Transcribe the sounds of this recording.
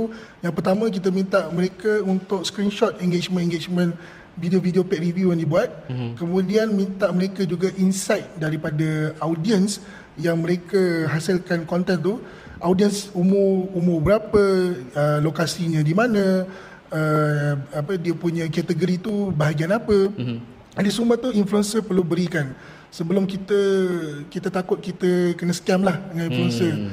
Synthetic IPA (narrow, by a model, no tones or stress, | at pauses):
ujaŋpərt̪amə̃k̬it̪əmĩnt̪aʔməɾekəunt̪ʊkskɾinʃɔt̪̚ɛŋɡet͡ʃmə̃nɛŋɡet͡ʃmə̃n | videovideopɛʔ̚riviujaŋdibuat̪̚kəmũdianmĩnt̪aʔmə̃ɾekad͡ʒuɡaʔinsajt̪̚daɾipadaawdiəns | jaŋməɾekəɦasəlkankɔnt̪ɛnt̪u | ʔawdiənsumʊrumʊbəɾapəəlokasiɲə̃dimãnə̃ | ə | apədiəpuɲəkat̪əɡoɾit̪ubaɦaɡianapə | disumət̪uinfluɛnsəpərlubəɾikan | səbəlʊmkit̪əkit̪at̪akʊt̪̚kit̪əkənəsə̥kamlahdəŋaninfluɛnsər